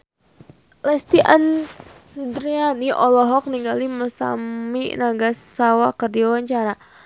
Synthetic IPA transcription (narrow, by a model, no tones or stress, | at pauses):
lɛst̪iʔa̰n | d̪ɾianiʔɔlɔɦɔk̚niŋɡaliməsa̰mḭnaɡasːawakərdiawaɲt͡ʃaɾa